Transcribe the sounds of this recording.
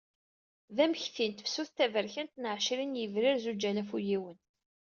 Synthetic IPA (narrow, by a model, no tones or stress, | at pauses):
ðæməçθint̪ə̥fsuθt̪ævəɾçænt̪nəʕʃɾinjəvɾiɾzud͡ʒælæfujiwən